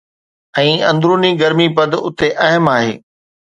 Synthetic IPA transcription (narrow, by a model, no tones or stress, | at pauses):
ɛ̃ːɐ̃nd̪ɾuːniɡɐɾmipɐd̪ʊt̪eʔɐɦəmaːɦḛː